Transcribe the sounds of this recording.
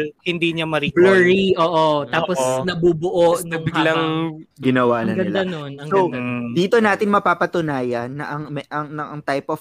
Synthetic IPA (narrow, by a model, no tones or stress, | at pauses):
hɪnd̪iɲɐmɐɾilɔɹiʔoːʔot̪aːposnɐbuːbʊʔoʔnɐbɪɡlɐŋɡɪnɐwaːnɐnɡɐɪld̪anonɐŋsod̪iːt̪o̞naːt̪ɪnmɐpaːpɐt̪ʊnaːjɐnːɐʔɐŋmɛʔɐŋnɐʔɐŋt̪ajpʔɔf